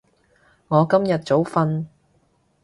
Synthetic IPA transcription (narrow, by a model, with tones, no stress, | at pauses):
ŋɔː˨˧kɐ˥mjɐ˨t̚t͡so˨˥wfɐ˧n